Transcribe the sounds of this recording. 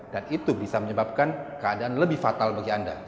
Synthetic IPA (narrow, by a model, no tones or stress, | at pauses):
d̥anit̪ubisaməɲəbap̚kankəadaʔanləbɪhfat̪albaɡianda̰